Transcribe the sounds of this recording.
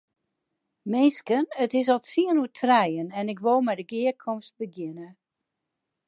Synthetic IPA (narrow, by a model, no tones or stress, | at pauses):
mɪnskənətɪs̬ɔtsiənuətʰrɛjənɛnɪkʋoːmɛjdəɡɪəkʰɔmst̚bəɡjɪnə